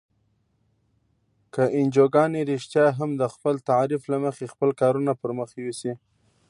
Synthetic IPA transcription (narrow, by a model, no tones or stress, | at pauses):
kəʔɪnd͡ʒoɡɑneɾɪʃt̪jɑɦamd̪əxpəlt̪aɾiflaməxexpəlkɑɾunapəɾməxwisi